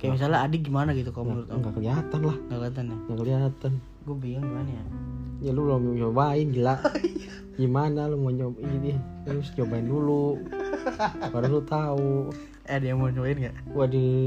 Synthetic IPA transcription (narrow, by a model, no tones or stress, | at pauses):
kajamis̬alaːdɛɡimanaɡit̪ukaŋaɾʊt̪̚aŋɡakəliat̪anlahŋɡakəliat̪̬anŋakəliɦat̪an | ɡuabiaŋmanjajaluloɲobainɡilaʔ | ɡimanalumoɲobini | ɾusɲobaindulu | baɾalut̪au | adɛjamoɲobaɪnɡaʔɡuadə